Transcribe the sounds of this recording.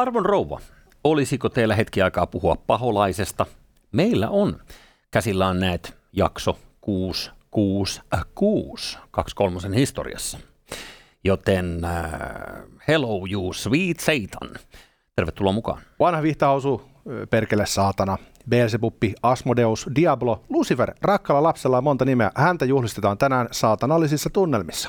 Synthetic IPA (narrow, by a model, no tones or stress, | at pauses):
ɑrʋonrowʋːɑ̰ | olisikot̪eːlːæɦet̪kiɑikɑːpuhuɑppɑɦolɑisest̪ɑ | meilːæ̰ʔon | kæsilːæːnnæit̪ | jɑ̰ksokuːskuːskuːskɑkskolmɑsenhist̪o̰rḭɑ̰sːɑ̥ | jot̪en | heloujuːsʋiːt̪seit̪ʰɑ̰n | t̪erʋet̪ːulo̰ːmukɑ̰ːnʋɑnhɑʋiht̪ɑhɑusu | perkelːessɑːt̪ɑnɑ | beːlsepupːiɑsmodeusdiɑblolusiferrɑkːɑlɑlɑpselːɑjɑmont̪ɑnimeæhænt̪æjuhlist̪et̪ɑːnt̪ænæːnsɑːt̪ɑnɑlːisisːɑt̪unːelmisːɑ̥